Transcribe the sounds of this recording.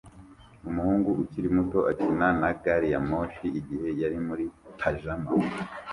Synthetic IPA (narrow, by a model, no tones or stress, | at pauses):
umuhuːŋɡuʔuciɾimuto̞ʔacinanaɡaɾijamoʃiːɟihe̞jaɾimuɾitʰaʒama